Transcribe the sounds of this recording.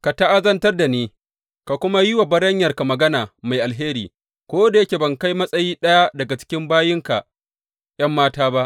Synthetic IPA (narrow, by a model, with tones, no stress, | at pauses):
ka˨ta˦ʔa˦zɐ˦ntɐ˦rda˨neː˨ | ka˨kʷʊ˦ma˦jɪ˦wa˨bɐ˦ɽɐ˦ɲjɐ˨rka˨mɐ˨ɡɐ˦naː˨ma˨jʔa˨lɦeː˦ɾḭː˨ | kʷoː˦da˨jɐ˦kʲe˨bɐ˨ŋka˦jmɐ˦sʼɐ˦jiː˦ɗɐ˦ja˦dɐ˨ɡa˨t͡ʃɪ̥˦kʲɪ˦mbaː˦jɪ˦ŋka̰˨ | j̰ɐ˦mːaː˦taː˦ba˦ʔ